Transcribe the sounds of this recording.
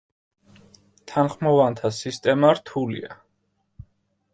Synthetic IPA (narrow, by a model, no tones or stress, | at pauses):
t̪ʰanχmɔvant̪ʰasist̪ʼɛmaɾt̪ʰulḭa